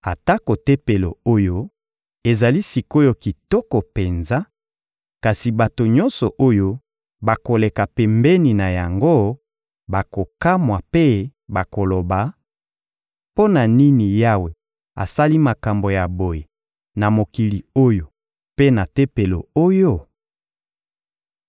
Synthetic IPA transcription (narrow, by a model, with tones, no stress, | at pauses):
a˨ta˦ko˨te˦pe˨lo̰˨o˦jo˦ | e˨za˨li˦si˨ko˦jo˦ki˨tɔ˦kɔ˨pe˨nza˦ | ka˨si˨ba˨to˨ɲɔ˦nsɔ˨ʔo˦jo˦ | ba˨ko˨le˨ka˨pɛ˨mbɛ˦ni˨na˨ja˨ŋɡo˦ | ba˨ko˨ka˦mwa˨pe˦ba˨ko˨lo˨ba˨ | po˦na˨ni˦ni˨ja˦we˨ | a̰˨sa˦li˦ma˨ka˨mbo˨ja˨bo˨je˨ | na˨mo˨ki˨li˨o˦jo˨ | pe˦na˨te˦pe˨lo˨o˦jo˦